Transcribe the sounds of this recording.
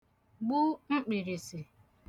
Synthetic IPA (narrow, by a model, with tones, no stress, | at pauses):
ɡ͡bu˦ŋ͡m̩˦k͡pi˨ɾi˨si˨